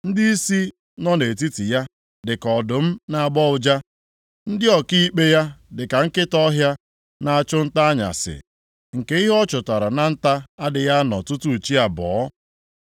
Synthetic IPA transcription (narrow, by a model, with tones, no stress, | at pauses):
n̩˦di˦i˦si˦ | nɔ˦ne˨ti˦ti˨ja˦ | dɪ˨kɔ˨dʊ˨m̩˦na˨a˦˨ɡ͡bɔ˦ʊ˨d͡ʒa˦ | n̩˦dɪ˦ɔ˨ki˦k͡pe˦ja˦dɪ˨ka˨ŋ̩˦kɪ˦tɔ˦ɦja˦ | na˨a˨t͡ʃʊ˦n̩˦ta˦a˦ɲa̰˨sɪ̰˨ | ŋ̩˨ke˦i˦ɦɔ˦t͡ʃʊ˨ta˨ɾa˨na˨n̩˦ta˦a˦dɪ˨ja˦nɔ̰˨tu˦tu˦˨t͡ʃi˦a˨bɔː˨˦